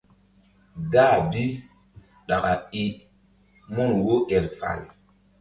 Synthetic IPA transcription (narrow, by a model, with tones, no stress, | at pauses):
daː˦˨bi˦ | ɗa˨ka˨i˨ | mɔ˦nwo˦ɛ˨lfa̰˨l